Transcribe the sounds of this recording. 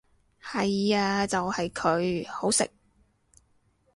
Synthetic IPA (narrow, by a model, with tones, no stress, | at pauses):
hɐ˨jaː˧t͡sɐ˨whɐ˨jkʰɵ˨˧ɥho˨˥wsɪ̰˨k̚